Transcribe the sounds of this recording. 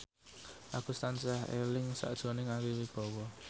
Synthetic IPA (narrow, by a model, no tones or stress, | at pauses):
ʔakust̪ansahḛlɪŋsa̰ʔd̥ʒ̥ɔ̤nɪŋawiwib̥ɔ̤wɔ